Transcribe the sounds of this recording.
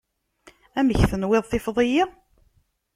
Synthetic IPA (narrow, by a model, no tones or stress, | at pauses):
æməçθənwɪðˤθɪfðˤɪji